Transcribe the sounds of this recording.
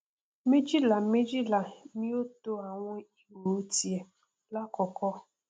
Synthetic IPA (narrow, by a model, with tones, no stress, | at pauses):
mi˦d͡ʒi˦la˨˦me˦d͡ʒi˦la˨˦mi˦o˦to˦a˨ŋʷe˦i˦wo˨˦ti˦e˨ | la˦kɔ˨kɔ˦